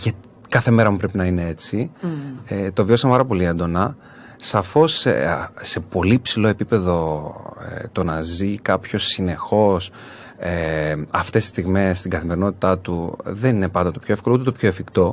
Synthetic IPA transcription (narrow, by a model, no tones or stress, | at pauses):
ʝɐt̪ikɐθe̞me̞ɾɐmupɾe̞pinɐine̞e̞t͡si | et̪o̞viosɐmepɐɾɐpo̞lie̞nd̪o̞nɐ | sɐfo̞sse̞po̞lipsilo̞e̞pipe̞ðo̞̰ | t̪o̞nɐzikɐpço̞sine̞xo̞s | eɐft̪e̞sist̪iɣme̞st̪iɡɐθime̞ɾino̞t̪it̪ɐt̪uðe̞nine̞pɐnd̪ɐt̪o̞pçoefko̞lout̪et̪o̞pço̞efikt̪o̞